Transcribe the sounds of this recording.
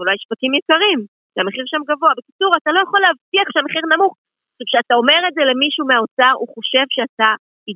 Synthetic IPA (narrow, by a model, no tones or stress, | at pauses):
ulajʃpatimjekaʁim | ʃeameχiʁʃamɡavo̞abe̞kit͡suʁatalo̞jaχo̞leavtiaχʃeameχiʁnamuχ | o̥ʃuvʃeatao̞me̞ʁe̞ze̞le̞miʃuːmeao̞t͡saʁuχo̞ʃe̞vʃeata | i